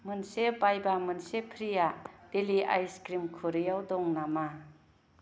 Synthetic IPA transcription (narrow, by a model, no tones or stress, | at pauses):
mɯnsebajbamɯnsepʰɾijad̥elia̰jskɾimkʰuɾijawd̪ɔŋnama